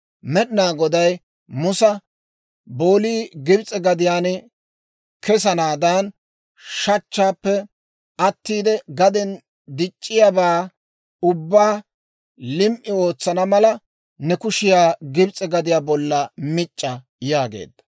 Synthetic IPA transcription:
mɛɗɪnaːɡɔd̪ɐj | mʊsɐ | bo̞ːliːɡɪbt͡sʼɛɡɐd̪ɪjaːn | kɛs̬ɐnaːd̪aːn | ʃɐt͡ʃːaːpːɛ | ɐt̪ːiːd̪ɛɡɐd̪ɛn | d̪ɪt͡ʃʼːɪjabaː | ʊbːaː | lɪmʔɪo̞ːt͡sːɐnɐmɐlɐ | nɛkʊʃɪjaːɡɪbt͡sʼɛɡɐd̪ɪjaːbɔlːɐmɪt͡ʃʼːɐ | jaːɡḛːd̪ːɐ̥

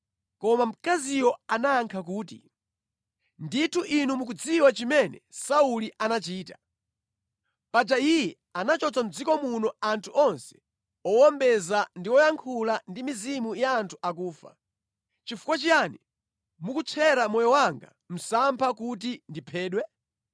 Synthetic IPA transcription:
kɔmam̩kazijɔanaːŋkʰak̬uːtḭ | nditʰuʔinumuk̬ud͡ziwat͡ʃimɛnɛ̰sauliʔanat͡ʃiːtḁ | pad͡ʒaijɛ | anat͡ʃɔt͡sam̩d͡zikɔmunɔantʰuʔɔnsɛ̥ | ɔwɔmbɛzandiwɔjaŋkʰulandimizimujaːntʰu̥ak̬uːfa̰ | t͡ʃifu̥kwat͡ʃiani | mukut͡ʃʰɛɾamɔjɔwaŋɡa̰ | m̩sampʰakut̬indipʰɛːɗwɛ

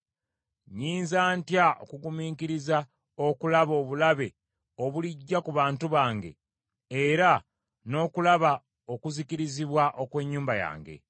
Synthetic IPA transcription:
ɲiːnzaːntjao̰kuɡumiːkiɾiza | okulaβo̞ːβulaβe̞ | o̞βuliɟːakuβaːntuβaːŋɡe̞̰ | eɾa | no̞ːkulaβa | o̞kuzikiɾiziβwaʔo̞kwe̞ːɲːuːmbaja̰ːŋɡe̞̰

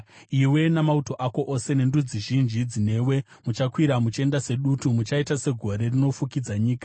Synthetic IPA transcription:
iwe̞namauto̞ʔako̞ʔose̞ne̞ndud͡ziʒind͡ʒid͡zine̞ːwe̞ | mut͡ʃakwiɾamut͡ʃe̞ndase̞ɗutumut͡ʃaitase̞ɡʱo̞ɾe̞rino̞fukid͡zaɲiːkḁ

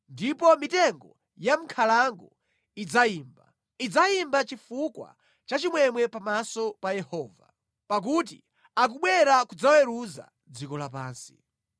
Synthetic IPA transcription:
ndipɔmitɛŋɡɔ | jam̩kʰalaŋɡɔ | id͡zaiːmba̰ | id͡zaimbat͡ʃifukwa̰ | t͡ʃat͡ʃimwɛmwɛpamasɔpajɛhɔːva̰ | pak̬ut̬ḭ | ak̬uɓwɛɾakud͡zawɛɾuza̰ | d͡zikɔlapaːnsi̥̰

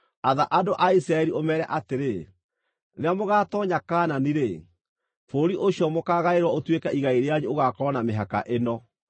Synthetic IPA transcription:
aðaʔadoʔaisɾaɛɾiʔomɛːɾɛʔateɾe | ɾeamoɣaːtɔɲakaːnaniɾe | foɾiʔoɕiɔmokaːɣaeɾwaotwekaiɣaeɾeaɲuoɣakɔnameɦaka̰ʔenɔ

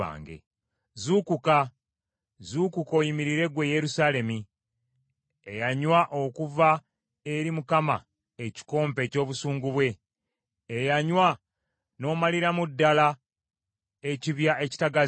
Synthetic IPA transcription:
a̰ːŋɡḛ | zukuka | zukuko̞ːjimiɾiɾe̞ɡwe̞je̞ɾusaːle̞mi | ejaɲwaʔo̞kuva | e̞ɾimukama̰ | e̞ci̥ko̞ːmpe̞co̞ːβusuːŋɡuβwe̞ː | jaɲwa | no̞ːmaliɾamudːala | e̞ciβjaʔe̞ci̥taɡa

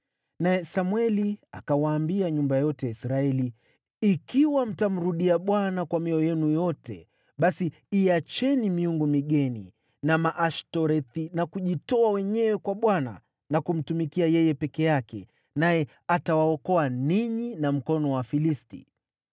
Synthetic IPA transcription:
najɛsamwɛlia̰kawaːmbiaɲumbajɔtɛisɾaɛli | ikiwam̩tam̩ɾuɗiaɓwanakwamiɔjɛnujɔtɛ̰ | ɓasiː | at͡ʃɛnimiuŋɡumiɠɛnḭ | namaʔaʃtɔɾɛθinakuʄitɔawɛɲɛwɛkwaɓwana̰ | nakum̩tumikiajɛjɛpɛkɛjakɛ̰ | najɛ | atawaɔkɔaniɲinam̩kɔnɔwafilistḭ

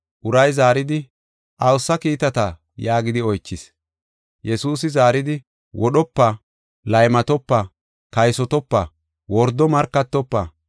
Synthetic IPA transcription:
ʔʊɾɐjzaːɾɪd̪ɪ | ʔɐwsːɐkiːt̪ɐt̪ɐ | jaːɡɪd̪ɪɔjt͡ʃːɪs | jɛsuːs̬ɪzaːɾɪd̪ɪ | wʔɔɗɔpːɐ | lɐjmɐt̪ɔpːɐ | kɐjsɔt̪ɔpːɐ | wɔɾd̪ɔmɐɾkːɐt̪ːɔpːɐ

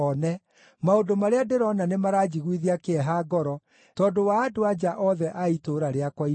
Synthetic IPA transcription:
ɔnɛ | maondomaɾeadeɾɔnanemaɾaːd͡ʒiɣwiðiakeɛɦaːɡɔɾɔ | tɔːdowaːdoad͡ʒaʔɔðɛʔaitoɾaɾeakwai

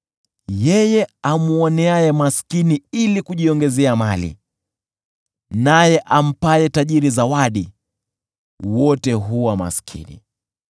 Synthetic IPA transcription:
jɛjɛamuɔnɛajɛmaskiniilikuʄiɔŋɡɛzɛamalḭ | najɛʔam̩pajɛtaʄiɾizawaɗi | wɔtɛɦuwama̰skʰḭnḭ

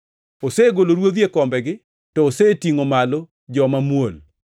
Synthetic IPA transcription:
oseɡoloɾwod̪jekɔmbɛɡɪ | tɔːsetiŋomalo | d͡ʒɔmamwol

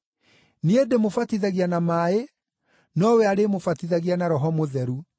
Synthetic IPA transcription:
niedemofatiðaɣianamaːe | nɔwɛaɾemofatiðaɣianaɾɔɦɔmoðɛɾu

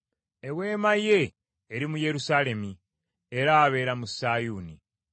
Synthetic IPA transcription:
e̞βwe̞ːmaje̞ː | ɾimuje̞ɾusaːle̞mi | eɾaːβe̞ːɾamusaːjuːni

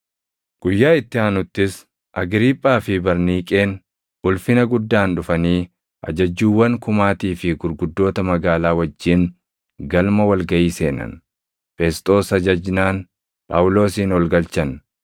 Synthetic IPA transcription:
ɡ̥ʊjːaːɪt̪ːɪaːnʊt̪ːɪs | ʔɐɡɾiːpʼːaːfɪbɐɾniːkʼe̞ːn | ʊlfɪnɐɡʊd̪ːaːnᶑʊfɐniː | ʔɐ̰d͡ʒɐd͡ʒːuːwːɐŋkʊmaːt̪iːfɪɡʊɾɡʊd̪ːo̞ːt̪ɐmɐɡaːlaːwɐd͡ʒːiːŋ | ɡɐlmɐwɐlɡɐʔiːse̞ːnɐ̰n | fɛst̪ʼo̞ːsɐd͡ʒɐd͡ʒnaːn | pʼa̰ːwʊlo̞ːsiːnɔlɡɐlt͡ʃɐn

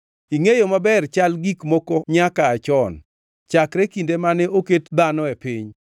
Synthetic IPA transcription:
iŋejomabɛrt͡ʃalɡikmokoɲakaːt͡ʃɔn | t͡ʃakɾɛkindemanɛʔoketd̪anɔepiɲ

